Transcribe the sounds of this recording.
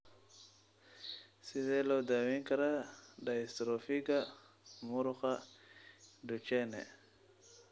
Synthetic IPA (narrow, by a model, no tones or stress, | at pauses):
sizelowdawiŋkaɾadaist̪ɾofiɡa | muɾuxa | dut͡ʃenḛ